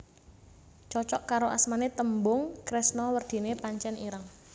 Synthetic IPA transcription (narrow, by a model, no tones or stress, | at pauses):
t͡ʃɔt͡ʃɔʔkaɾoʔa̰smanet̪əmbʊŋkɾɪsnɔwərd̪̥i̤nepaɲt͡ʃɛniɾaŋ